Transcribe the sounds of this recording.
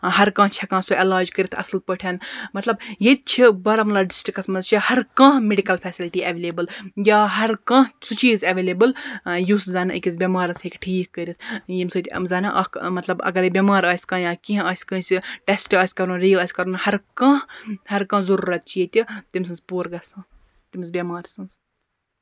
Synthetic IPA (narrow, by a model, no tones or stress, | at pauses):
ɦɐɾkãːt͡ʃʰɐkãːsoʔɛlaːd͡ʒkəɾit̪ʰɐ̰sɨlpəʈʰʲɐnmɐt̪lɐbjet̪̚t͡ʃʰibɐɾɐmlɐːɖisʈɾikɐsmɐzt͡ʃʰihɐɾkãːɦmeɖikɐlfʰɛːsilʈiːɐʋeleːbɨljaːɦɐɾkãːɦsut͡ʃiːzɐʋelebɨljuszɐːnɨḭkʲizbʲɐmaːɾɐshekʲʈʰiːkːəɾʲit̪ʰjimsɨːt̪ʲzɐnɐʔɐkmɐt̪lɐbɐ̰ɡɐɾebʲɐmaːɾaːsʲkãːjaːkʲiɦaːsʲkɨ̃ːsʲiʈesʈaːsʲkɐɾũnɾiːlaːsʲkɐɾunhɐɾkãːhhɐɾkãːzɐɾuːɾɐt̪̚t͡ʃʰijet̪ʲit̪imsɨnzpoːɾɡɐsãː | t̪imzbʲɐmaːɾʲsɐ̃ns